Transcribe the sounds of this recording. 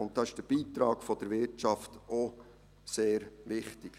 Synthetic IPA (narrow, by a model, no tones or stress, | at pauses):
ʊnt̚dɑɪʃd̥əb̥iːt̪ɾɑːɡ̥fɔd̥̪əɾʋɪtt͡ʃɑfto | seːɾʋɪχtɪk